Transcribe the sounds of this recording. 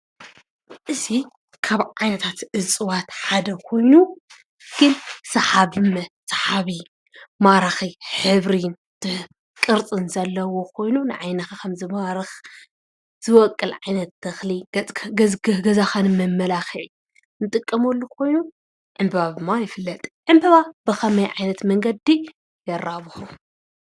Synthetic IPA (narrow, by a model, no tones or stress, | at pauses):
ʔɨzi | kʰaβʕajnɐt̪ʰat̪ʔɨt͡sʼɨwat̪ħad̪ɐkʰo̞jnu | ɡ̥ɨnsɐħaβɨmɐsɐħaβi | maɾaxiħɨβɾin | t̪ʰɨ | kʼɨɾt͡sʼɨnzɐlːɐwokʰo̞jnunɨʕajnɐxakʰɐmzɨmaɾɨx | z̥ɨwɐkʼːɨlʕajnɐt̪̚d̪̥ʰɐxli | ɡɐzaxanɨmɐmːɐlaxiʕ | nɨt̪ʼɨkʼːɐmolːukʰo̞jnu | ʕɨmbɐβad̪ɨmːajɪfɨlːɐt̪ʼʕɨmbɐβabɨxʰɐmɐjʕajnɐt̪mɐŋɡɐd̪i | jɐɾaβɨħu